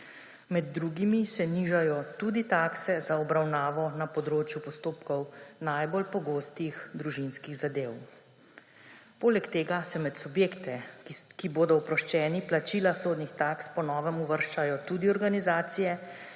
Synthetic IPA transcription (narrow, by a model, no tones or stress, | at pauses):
mɛd̪̚ːɾuɡimisɛniʒajɔt̪uːd̪it̪aːksɛzaɔbɾawnaːʋɔnapɔd̪ɾoːt͡ʃjupɔst̪oːpkɔwnajbolpɔɡoːst̪ixd̪ɾuʒinskiɣzad̪ew | poːlɛkt̪eːɡasɛmɛt̪subjeːkt̪ɛkiboːd̪ɔwpɾɔʃt͡ʃɛːniplat͡ʃiːlasoːd̪nixt̪akspɔnɔːʋɛmuʋəɾʃt͡ʃajɔt̪ud̪iɔɾɡanizaːt̪sijɛ